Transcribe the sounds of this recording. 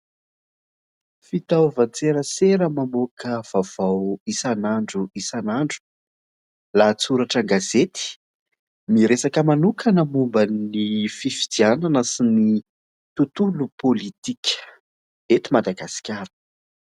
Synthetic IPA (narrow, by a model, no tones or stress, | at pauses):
fit̪awvant͡seɾəseɾəmamokʰəv̥av̥awisanaɳɖ͡ʐuisanaɳɖ͡ʐu̥ | lat͡suɾaʈ͡ʂaŋɡazet̪i̥ | miɾesakəmanukanəmumbanififi̥d̪iananəsini | t̪ut̪ulupolit̪ikʰʲə̥ | et̪imad̪aɡasi̥kʲaɾə̥